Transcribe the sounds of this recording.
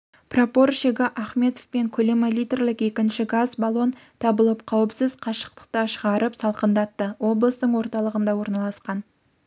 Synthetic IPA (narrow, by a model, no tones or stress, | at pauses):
propo̞rsiɡʲɑʔɑχme̞t̪o̥fpe̞ŋkʲʰɵlemalijt̪erlɪke̞kʲɪnʃɪɡazbɑlˠo̞nt̪ʰɑbəlˠəpqʰɑwəpsɪzqʰɑʃə̥qt̪ə̥q̚t̪əʃəʁɑɾəpsɑlˠqənd̪ɑt̪ːəwo̞blˠəst̪əɴwo̞ɾt̪ɑlˠəʁənd̪ɑwo̞ɾnɑlˠɑsqɑn